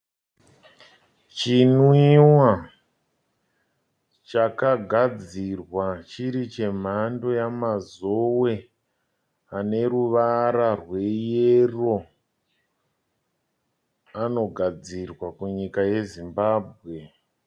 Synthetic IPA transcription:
t͡ʃinwiwa | t͡ʃakaɡʱad͡zirwat͡ʃiɾit͡ʃe̞m̤ando̞jamazo̞we̞ | ane̞ɾuʋaɾarwe̞jero̞ | ano̞ɡʱad͡zirwakuɲikaje̞zimbaːbʱɣe̞

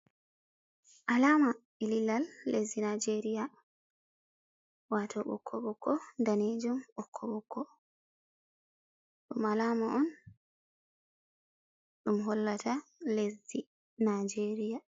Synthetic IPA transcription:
ʔalaːma | ɛlilːalːezinad͡ʒeɾija | watʰɔɓɔ̰kʰːɔɓɔkʰːɔndaned͡ʒumɓɔkʰːɔɓɔkːɔ | ɗumalaːmaʔɔn | ɗumɦɔlːatʰalezi | nad͡ʒeːɾija

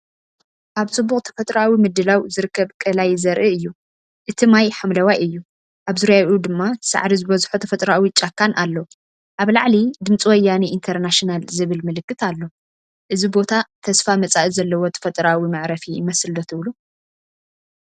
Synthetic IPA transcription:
ʔaβt͡sʼɨbːuχʼt̪ʰɐ̥fɐt̪ʼɾawimɨd̪ɨlawzɨɾɨkʰːɐβkʼɐlajzɐɾʔiɨjːu | ʔɨt̪ʰimajħamlɐwajɨjːu | ʔaβzɨɾjajud̪ɨmːat̪ʰɨ̥sa̰ʕɾizɨbɐzħut̪ʰɐfɐt̪ʼɾawit͡ʃʼakʰːanʔalːo | ʔaβlaʕlid̪ɨmt͡sʼiwɔjːaniint̪ʰɐɾnaʃinalzɨβɨlmɨlɨkːɨt̪alːo | ʔɨzibo̞t̪ʰat̪ʰɐsfamɐt͡sʼaʔizɐlːɐwot̪ʰɐ̥fɐt̪ʼɾawimaʕɾɐfiɪmɐslːot̪ʰɨβlu

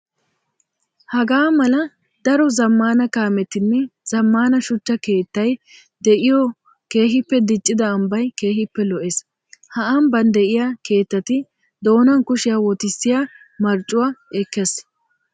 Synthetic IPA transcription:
hɐɡaːmɐlɐ | d̪ɐɾɔzɐmːaːnɐkaːmɛt̪ːɪnːɛz̥ɐmːaːnɐʃʊt͡ʃːɐke̞ːt̪ːɐj | d̪ɛʔɪjɔ | ke̞ːɦɪpːɛd̪ɪt͡ʃʼːɪd̪ɐːmbɐjke̞ːɦɪpːɛlɔʔes | hɐʔambɐnd̪ɛʔɪjake̞ːt̪ːɐt̪ɪ | d̪o̞ːnɐnkʊʃɪjaːwɔt̪ɪsːɪja | mɐɾt͡ʃʼːʊwaɛkːes

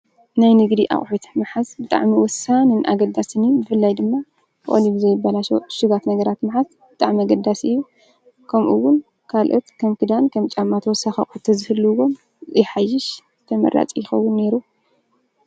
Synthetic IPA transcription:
najnɨɡd̪iʔa̰χʼħut̪ʰmɨħasbɨt̪ʼa̰ʕmiwɔsanɨnʔa̰ɡɐd̪asɨnijbɨfɨlːajd̪ɨmːa | ʔʼo̰libɨzɐjɪbːalaʃo̰ʃɨɡat̪nɐɡɐɾat̪maħas | bɨt̪ʼaʕmiaɡɐd̪ːasɨjːu | kʰɐmʔuwːʊn | kʰalʔot̪kʰɐmkʰɨd̪ankʰɐmt͡ʃʼamːat̪wɔsaxia̰χʼħut̪ʰɐzɨhɨlːuwo̞m | ɨjħajɪʃ | t̪ʰɐmɐ̰ɾa̰t͡sʼjɪxɐwːʊnːe̞ɾu

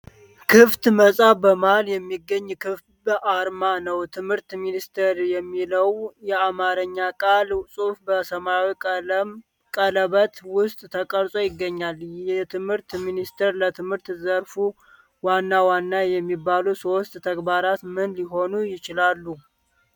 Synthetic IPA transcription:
kʰɨft̪məsʼabəmaljɛmːiɡːəɲːkʰɨft̪ | bəʔaɾmanəwt̪ʰɨmhɨɾt̪minist̪ʰəɾjɛmːiləwjɛamaɾəɲːakʼalsʼofbəsəmawi | kʼələβət̪wʊst̪ʼt̪ʰəkʼəɾsʼo̞jɪɡːəɲːaljɛt̪ʰɨmhɨɾt̪minist̪ʰəɾlət̪ʰɨmhɨɾt̪zəɾfu | wanːawanːajɛmːibːalusost̪ʼt̪ʰəɡbaɾat̪mɨnliɦo̞nujɪt͡ʃɪlalːu

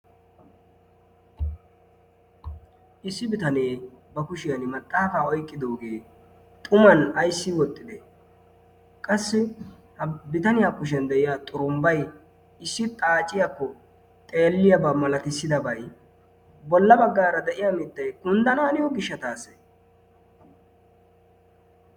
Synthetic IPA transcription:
ʔɪsːɪbɪt̪ɐneːbɐkʊʃɪjɐnɪmɐt̪ʼːaːfaːɔjkʼːɪd̪o̞ːɡe̞ː | t̪ʼʊmɐnɐjsːɪwɔt̪ʼːɪd̪ɛ | kʼɐsːɪ | hbɪt̪ɐnɪjaːkːʊʃ̬ɛnd̪ɛʔɪjaːt̪ʼʊɾʊmbɐj | ɪsːɪt̪ʼaːt͡ʃʼɪjakːɔ | t̪ʼeːlːɪjɐbɐmɐlɐt̪ɪsːɪd̪ɐbɐj | bɔlːɐbɐɡːaːɾɐd̪ɛʔɪjamɪt̪ːɐjkʊnd̪ɐnaːnɪjɔɡɪʃːɐt̪aːsɛ̥

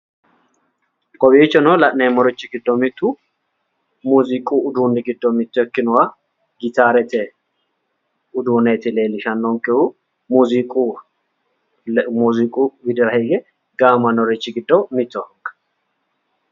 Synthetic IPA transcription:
kʼɔbiːt͡ʃːɔnɔlɐʔnemɔɾɪt͡ʃːɪɡɪd̪ːɔmɪt̪ːu | muːzɪkʼuʊd̪uːnːɪɡɪd̪ːɔmɪt̪ːɔɛkːɪnʊwa | ɡɪt̪aːɾɛt̪ɛ | ʊd̪uːnet̪ɪleːlɪʃɐnːɔŋkʼɪu | muːzikʼu | muːzɪkʼuɡɪd̪ɪɾɐhiːɡɛ | ɡaːmɐnɔɾɪt͡ʃːɪɡɪd̪ːɔmɪt̪ːɔŋkʼɐ̥

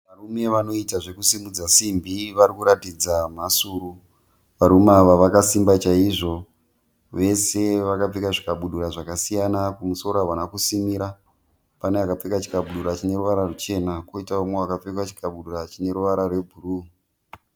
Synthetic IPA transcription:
ʋarume̞ʋano̞itaʐe̞kusimud͡zasimbʱiʋaɾikuɾatid͡zamasuɾu | ʋaɾumaʋaʋakasimbat͡ʃaiʐo̞ | ʋe̞se̞ʋakap͡fekaʐikaɓuɗuɾaʐakasijanakumuso̞ɾaʋanakusimiɾa | paneakap͡fekat͡ʃi̥kaɓuɗuɾat͡ʃine̞ɾuʋaɾarut͡ʃe̞nakwoitaumeakap͡fekwat͡ʃi̥kaɓuɗurat͡ʃine̞ɾuʋaɾarwe̞bʱuruː

